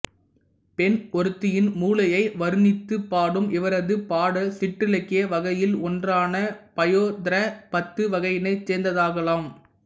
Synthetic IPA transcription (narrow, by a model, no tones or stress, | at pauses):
pɛnɔɾɯt̪ːɪjɪnmuːlɐjɐɪʋɐɾɯnɪt̪ːɯpːaːɽɯmɪʋɐɾɐðɯpaːɽɐsɪʈːrɪlɛkːɪjɐʋɐɣɐjɪlɔndraːnɐpɐjoːd̪ɾɐpɐt̪ːɯʋɐɣɐjɪnɐɪt͡ʃːeːnd̪ɐðaːɣɐlaːm